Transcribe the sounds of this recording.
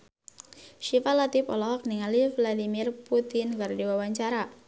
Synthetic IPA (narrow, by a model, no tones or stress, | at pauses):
ʃifalat̪ɪpɔ̰lɔɦɔk̚niŋalivladimirput̪ɪnɡardiwawaɲt͡ʃaɾa